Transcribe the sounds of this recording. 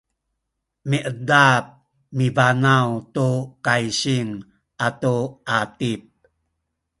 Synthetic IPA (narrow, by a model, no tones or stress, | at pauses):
miʔədap̚ | mivanawtukajɕiŋ | ʔatuʔatip̚